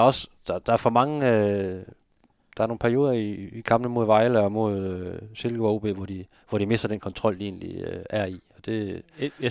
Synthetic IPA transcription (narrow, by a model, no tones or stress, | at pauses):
ɐɒ̽sd̥ɑd̥ɑ̈æɐfɒ̽mɑ̈ŋəø | d̥ɑ̈æɐno̝ːŋnpʰæɐjo̝ːðˠɐiːkʰɑ̈mnəmo̝ð̞̰ˠʋɑ̈ɪləɒ̽mo̝ð̞ˠøse̝lɡ̥əɒʊb̥e̝̰ːʋɒd̥i | ʋɒɾ̥dime̝sd̥ɐd̥enkʰɒ̽nt͡sʰʁɒ̽l̰d̥ie̝̰ːnlḭøæɐ̰iɒ̽d̥e̝